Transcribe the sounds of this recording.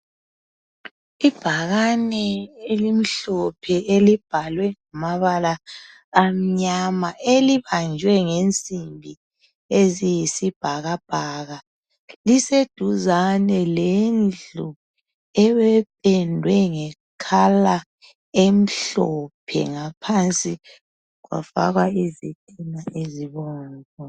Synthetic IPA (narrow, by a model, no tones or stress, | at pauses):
ib̥ʱaɣanɛelim̩ɬɔpʰɛelib̥ʱalwɛŋamaβala | am̩ɲamaeliβand͡ʒʱwɛŋent͡sʼimbʱi | ezijisib̥ʱaɣab̥ʱaɣa | lised̥ʱuzanɛlend͡ɮu | ɛβɛpʰɛndʱwɛŋɛ | kʰala | em̩ɬɔpʰɛ̰ŋapʰant͡sʼi | ɣwa̰fa̰ɣaezetʼinaʔeziβɔːnkɔ